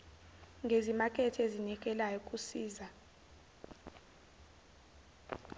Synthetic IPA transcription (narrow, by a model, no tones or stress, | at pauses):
ŋɡʱezimakʼɛtʰezinik̬ʼɛlajokʼusiːza